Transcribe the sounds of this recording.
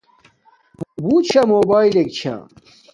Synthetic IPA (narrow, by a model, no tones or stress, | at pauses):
but͡ɕʰɐmoːbaːilek̚t͡ɕʰa̰